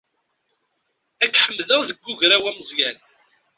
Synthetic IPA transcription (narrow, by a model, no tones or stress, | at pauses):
ækːħəmðəʁðəɡːʊʝɾæwæməzjæn